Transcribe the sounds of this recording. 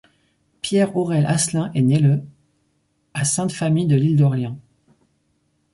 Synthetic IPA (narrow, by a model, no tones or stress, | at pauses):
pjɛʁɔʁɛlʔaslɛ̃ʔenelə | asɛ̃t̪famijd̪əlild̪ɔʁljɑ̃